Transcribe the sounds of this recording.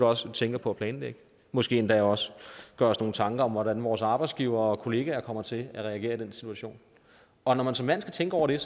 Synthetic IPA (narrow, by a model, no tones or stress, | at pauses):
d̥uɒ̽st͡sʰeŋɡ̥ɐpʰɒ̽æpʰlɛːnleɡ̥ə | mɒ̽sɡ̥e̝̰ːend̥æɒ̽sɡ̥ɶɐɒsno̝ːn̩t͡sʰɑ̈ŋɡ̥ɐɒ̽mʋɒɾænʋɒːsɑ̈ːb̥ɑ̈ɪdsɡ̥iːʊ̰ɐɒ̽kʰo̝le̝ːɡ̥æɐkʰɒ̽m̰ɐt͡sʰe̝æʁɛæɡ̥e̝̰ɐid̥ensit͡sʰuæɕo̝̰ːn | ɒ̽nɒmænsɒ̽mːæn̰sɡ̥æt͡sʰeŋɡ̥əɒ̰ʊɐɾ̥e̝